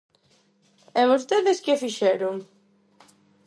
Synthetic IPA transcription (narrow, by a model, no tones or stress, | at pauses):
ɛβos̬t̪eðeskɪfiʃɛɾʊŋ